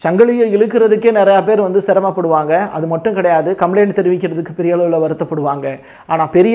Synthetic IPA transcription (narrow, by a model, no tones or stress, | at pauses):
t͡ʃɐŋɡɐɭɪjɐɪɻɯkːɪɾɐðɯkːeːnɪɾɐjaːpeːɾʋɐnd̪ɯsɪɾɐmaːpːɐɽɯʋaːŋɡɐɐ̰ðɯmɐʈːɯ̃kɪɽɐjaːðɯkɐmleːnɖt̪ɛɾɪʋɪk̬ʲːɪɾɐðɯkːɯpɛɾɪjaːɭɐʋɯlɐʋɐɾɯt̪ːɐpːɐɽɯʋaːŋɡɐ | ʔaːnaːpɛɾɪj